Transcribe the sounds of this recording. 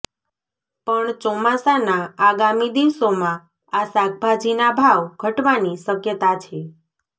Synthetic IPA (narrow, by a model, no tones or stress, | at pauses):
pəɳt͡ʃɔmasanaːɡamid̪iʋsomã | asak̚bʱad͡ʒinabʱaʋɡʱəʈʋaniʃəkjət̪at͡ʃʰe